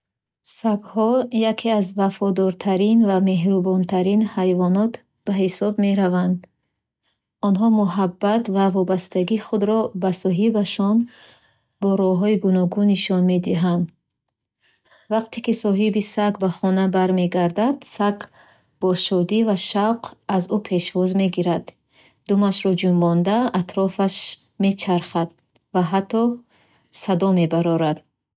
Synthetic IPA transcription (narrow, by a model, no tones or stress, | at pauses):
sakhɔjakʰeazvafɔd̪ɔɾt̪ʰaɾinvame̞ɦɾubɔnt̪ʰaɾinhajvɔnɔt̪ | b̥ahisɔbme̞ɾavand̪ | ɔnɦɔmuɦabːat̪vavɔbast̪aɡiːχud̪ɾɔbasɔɦibaʃɔn | bɔɾɔɦɔiɡunɔɡuniʃɔnme̞d̪iɦand̪ | vaqt̪ʰekisɔɦibisakbaχɔnabaɾme̞ɡaɾd̪ad̪̥sakʰ | b̥ɔʃɔd̪ivaʃawqʰazupʰe̞ʃvɔzme̞ɡiɾad̪ | d̪umaʃɾɔd͡ʒumbɔnd̪aːt̪ʰɾɔfaʃ | me̞t͡ʃʰaɾχad̪̥ | vaɦat̪ʰːɔ | sad̪ɔme̞baɾɔɾad̪